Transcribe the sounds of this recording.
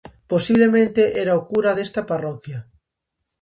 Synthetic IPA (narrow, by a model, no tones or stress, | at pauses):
posiβlemẽnt̪eʔɛɾaokuɾaðest̪ɐparɔkja